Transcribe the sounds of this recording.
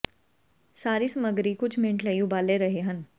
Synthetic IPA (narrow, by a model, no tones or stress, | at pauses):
saːɾisɐməɡɾikʊt͡ʃʰmɪ̃ɳʈʰlɐjũbaːleɾɐɦeɦɐn